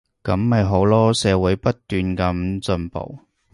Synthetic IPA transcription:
kɐ˨˥mːɐ˨jɦo˨˥wlɔː˥sɛː˨˧wu˨˥jpɐ˥t̚t̪yː˨nkɐ˨˥mt͡sɵ˧npo̰˨˩w

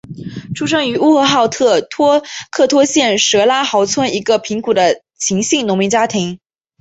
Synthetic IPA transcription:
ʈ͡ʂʰu˥ʂɤ˥ŋy˧˥u˥xɤ˧˥xɑ˥˧ʊt̪ʰɤ˥˩t̪ʰwɔ˥kʰɤ˥˩t̪ʰwɔ˥ɕjɛ˥˩nʂɤ˧˥la˥xɑ˧˥ʊt͡sʰwə˥ni˧˥ɡə˧pʰi˧˥ŋku˨˩d̪ə˦ | t͡ɕʰi˧˥ŋɕi˥˩ŋnʊ˧˥ŋmi˧˥nt͡ɕja˥t̪ʰi˧˥ŋ

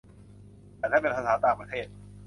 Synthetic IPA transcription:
t̪aː˧˩t̪ʰa˥˩pe˧npʰa˧saː˩˦˥t̪aː˨˩ŋpɾa˧t̪ʰeː˥˩t̪̚

